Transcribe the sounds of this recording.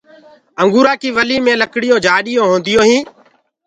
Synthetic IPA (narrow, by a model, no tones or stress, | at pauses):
əŋɡuːɾaːkiːʋəliːmẽːləkɽɪjõːd͡ʒʱaːɗɪjõːɦõːnd̪ɪjõːɦĩː